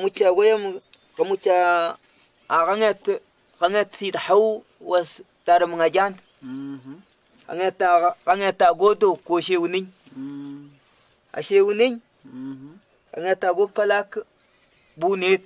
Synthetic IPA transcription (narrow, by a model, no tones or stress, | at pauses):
amut͡ʃaɡojam | ɣamut͡ʃa | aɣaŋet | ɣaŋetsidhawu | was | d̥aɾəmŋaɡʲant | a̰ŋetaɣaŋetaɡodokoʃ̬ewuniɲ | a̰ʃewuniɲ | ɣa̰ŋetːaɡopalak | bunet